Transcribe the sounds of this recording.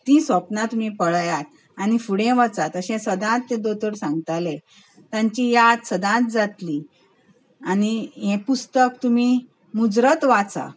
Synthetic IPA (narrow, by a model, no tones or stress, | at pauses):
t̪isʋəpnãt̪um̤ipəɭjat̪̚ | añifuɽɛ̃ʋət͡sat̪əɕɛ̃səd̪ãt̪ːẽd̪ot̪əɽsãŋɡt̪ale | t̪jãɲt͡ɕijat̪səd̪ãt̪̚d͡zat̪li | aniɦɛ̃pust̪ək̚t̪umi | mud͡zɾət̪ʋat͡sa̰